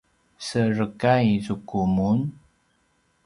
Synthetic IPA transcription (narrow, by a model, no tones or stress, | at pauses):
sərəkaisukumun